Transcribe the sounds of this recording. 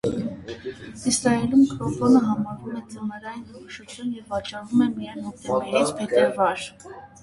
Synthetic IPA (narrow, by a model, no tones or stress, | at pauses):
isɾɑɛlumkʰɾɔkɔnəɦɑmɑɾvumɛt͡sɔnəɾɑjinhɔɾɔʃut͡s̪ʰjunjɛvːɑt͡ʃɑrumɛmijɑjnɔk̚t̪ɛbɛɾit͡spʰɛt̪ɛɾvɑɾ